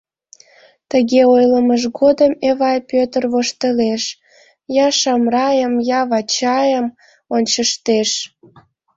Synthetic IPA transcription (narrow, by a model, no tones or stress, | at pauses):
t̪əɣeojləməʒɣod̪əmeβɑjpøt̪ərβoʃt̪əleʃ | jɑʃɑmrɑjəmjɑβɑt͡ɕɑjəm | onʲt͡ɕəʃt̪eʃ